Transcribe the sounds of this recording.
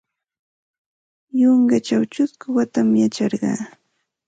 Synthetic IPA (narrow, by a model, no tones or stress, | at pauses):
joŋɡat͡ʃawt͡ʃʊskʊwat̪amjat͡ʃɑɾɢɑ̰ː